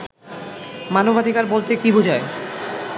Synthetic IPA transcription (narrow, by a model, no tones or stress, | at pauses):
manobad̪ʱikaɾbolt̪ekibud͡ʑʱae